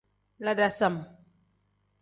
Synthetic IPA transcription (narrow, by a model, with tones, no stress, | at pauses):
la˦da˨sa˨m